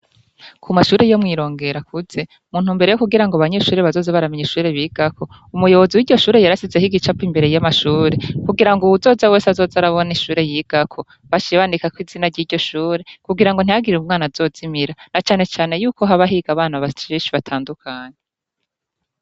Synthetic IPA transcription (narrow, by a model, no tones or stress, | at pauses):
kʰumaʃuːɾe̞jo̞mŋiːɾo̞ːŋɡe̞ɾakuze̞ | muːn̥huːmbeɾe̞jokuɡiɾaŋɡoaβaɲe̞ːʃuːɾeβazo̞ːzeβaɾameɲiʃuːɾe̞βiːɡ̥akʰo̞ | umujo̞βo̞ziwiːɟɟo̞ʃuːɾe̞jaɾasizehiɡit͡ʃapimbe̞ɾe̞jamaʃuːɾe̞kuɡiɾaŋɡoβuzo̞ːzawe̞ːsazo̞ːzaɾaβo̞niʃuːɾe̞jiɡ̥akʰo̞ | βat͡ʃiβanikakwiːziːnaɾɟiːɾɟo̞ʃuːɾe̞kuɡiɾaŋɡon̥ijaɡiɾeumŋaːnaz̥o̞ːz̥imiɾanat͡ʃaːne̞t͡ʃaːne̞juːko̞ɦaβaɦiɡaβaːnaβat͡ʃiːʃiβatʰaːndukʰaːɲe